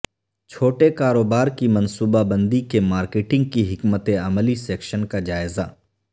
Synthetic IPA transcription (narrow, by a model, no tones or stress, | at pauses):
t͡ʃʰoːʈekaːɾoːbaːɾkimɐ̃nsuːbabə̃nd̪ikemaːɾkeːʈɪ̃ŋɡ̚kiɦɪkmət̪eɐməlisɛːkʃənkad͡ʒaːɪzaː